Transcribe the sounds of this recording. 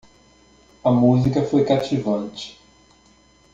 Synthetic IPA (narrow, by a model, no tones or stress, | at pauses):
ɐmuzikɐfojkat͡ʃivɐ̃nt͡ʃɪ̥